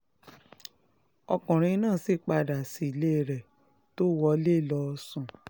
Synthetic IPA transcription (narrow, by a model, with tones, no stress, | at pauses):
ɔ˧kɔ̃˨ɾ̃ĩ˧˦nãː˦˨si˦˨k͡pa˧da˨si˨˦˨le˦˨ɾɛ˨ | to˦wɔ˧˦le˦˨lɔ˧sũ˨